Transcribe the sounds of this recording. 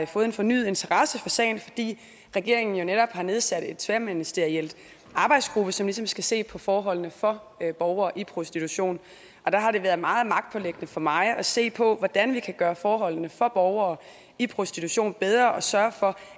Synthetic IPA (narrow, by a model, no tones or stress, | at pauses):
fɔ̽ːð̩ˠenfɒ̽ny̰ːð̩ˠe̝nt͡sʰɐʁɑ̈səfɒ̽sɛ̰ɪn̩fɒ̽d̥ḭː | ʁɛɡ̥e̝ɐ̰e̝ŋn̩jo̝neɾɒ̽b̥hɑ̈ne̝ð̞ˠsæd̥e̝d̥t͡sʰʋemenisd̥eɐiel̰d̥ | ʔɑ̈ːb̥ɑ̈ɪd̥sɡ̥ʁub̥əsɒ̽mlisɒ̽msɡ̥æse̝̰ːpʰɒ̽fɒːɦɒ̽l̰nəfɒ̽ | b̥ɒʊɐːʔipʰʁo̝sd̥it͡sʰuɕo̝̰ːn | ʔɒ̽d̥ɑ̈ɦɑ̈ɾe̝ʋæɐð̞ˠmɑ̈ːð̩ˠmɑ̈ɡ̥̚d̥̚pʰɒ̽leɡ̥ənəfɒ̽mɑ̈ɪʔɒ̽se̝̰ːpʰɒ̽ʋɒd̥ænʋikʰæɡ̥ɶːɐfɒːɦɒ̽l̰nəfɒ̽b̥ɒʊɐː | ipʰʁo̝sd̥it͡sʰuɕo̝̰ːnb̥eð̞ˠʁɐʔɒ̽sɶːɐfɒ̽